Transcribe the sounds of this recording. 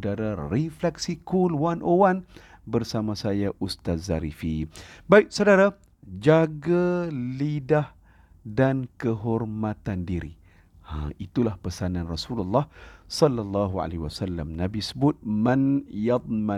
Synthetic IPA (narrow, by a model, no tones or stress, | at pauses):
daɾariflɛksikulwanʔowan | bərsamãsajaʔust̪at̪̚zaɾifibaɪk̚sawdaɾa | d͡ʒaɡalidah | dankəɦɔrmãt̪andiɾḭ | ã̰it̪ulahpəsanãnrasululːɑhsɔlːalːɑɦua̰leiwasalːamnãbisəbʊt̪̚mənjɑt̪̚ˤma